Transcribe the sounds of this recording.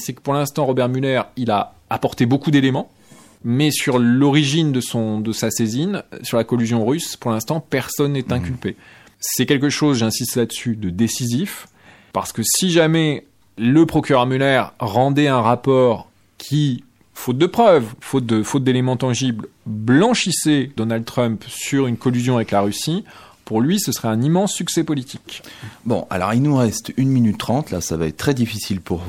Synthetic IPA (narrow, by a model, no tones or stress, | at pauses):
sɛkə̥puʁlɛ̃st̪ɑ̃ʁɔbɛʁmylɛʁila̰ | apɔʁt̪ebokud̪elemɑ̃ | mɛsyʁlɔʁiʒind̪əsɔ̃d̪əsasezinsyʁlakɔlyzjɔ̃ʁyspuʁlɛ̃st̪ɑ̃pɛʁsɔnːɛt̪ɛ̃kʲylpe | sɛkʲɛlk̬əʃozʒɛ̃sist̪lad̪əsyd̪əd̪esizif | pa̰ʁsə̥kəsiʒamɛ | ləpχɔkʲyʁœʁmylɛʁʁɑ̃d̪ɛɛ̃ʁapɔːʁ | kʲʰi | fot̪̚d̪əpχœvfot̪̚d̪əfot̪̚d̪elemɑ̃t̪ɑ̃ʒiblblɑ̃ʃisɛd̪ɔnald̪ət̪χœmpsyʁynkɔlyzjɔ̃avɛklaʁysi | puʁlɥisəsəʁɛɛ̃nimɑ̃sːyksɛpɔlit̪ʰikbɔ̰̃ʔa̰lɔ̰ʁilnuʁɛst̪ynminyt̪ːχɑ̃t̪la̰savaɛt̪̚t̪ːχɛd̪ifisilpuʁ